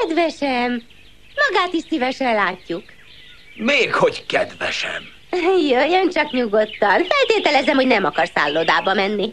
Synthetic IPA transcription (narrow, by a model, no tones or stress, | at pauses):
ɛd̪vɛʃɛm | mɒɡaːt̪iʃsivɛʃɛllaːcːuk | meːkho̞ckɛd̪vɛʃɛ̰m | jøjønt͡ʃɒkɲuɡot̪ːɒnfɛlt̪eːt̪ɛlɛzɛmho̞ɟnɛmɒkɒrsa̰ːlːoːd̪aːbɒmɛnːi